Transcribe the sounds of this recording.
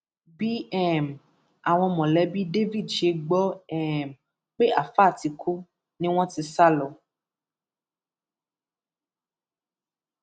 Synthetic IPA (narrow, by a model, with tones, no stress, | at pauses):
bi˦ɛ˦˨m | a˨w̃ɔ̃˧mɔ̃˨lɛ˦bi˦de˦vi˦˨dʃe˨˦ɡ͡bɔ˦ɛ˦˨m | k͡pe˦ʔa˨fa˦˨ti˨kʰu˦ | nĩ˦w̃ɔ̃˦t̪i˨sa˦lɔ˨